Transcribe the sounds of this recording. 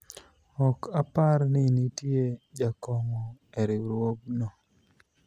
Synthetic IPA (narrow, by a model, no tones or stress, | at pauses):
ɔkapaɾnɪnitjed͡ʒakɔŋɔeɾɪɾwoɡno